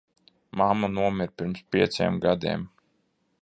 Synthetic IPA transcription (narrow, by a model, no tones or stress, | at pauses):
mamanuɔmʲiɾpiɾmspʲiɛt̪seɛmɡad̪ḭɛm